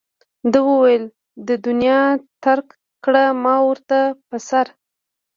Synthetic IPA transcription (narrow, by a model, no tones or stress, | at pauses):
d̪əwəwajəl | d̪əd̪ʊnjɑt̪aɾk | kɽamɑwəɾt̪apəsaɾ